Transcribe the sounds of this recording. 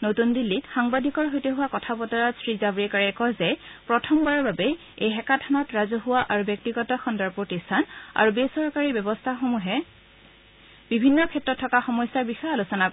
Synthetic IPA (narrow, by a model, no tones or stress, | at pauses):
notundilːitxaŋbadʱikɔɹɦojteɦuwakɔtʰapɔtɔɹatsɹizabɹikaɹɛkɔzɛpɹɔtʰɔmbaɹɔɹbabɛ | ejɦɛkatʰanɔtɹazɔɦʊwaʔaɹubjɔk̚tiɡɔtɔxɔndaɹpɹotistʰana̰ɹubesɔɹkaɹibjɔbɔstʰaxomuɦɛ | b̥ibʱinːɔkʰɛtɹɔtʰːɔkaxɔmɔjsaɹbixɔjalusɔnak